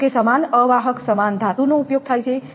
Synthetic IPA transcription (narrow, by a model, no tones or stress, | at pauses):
kesəmanəʋaɦəksəmand̪ʱat̪uneupjoɡ̚t̪ʰajt͡ʃʰɛ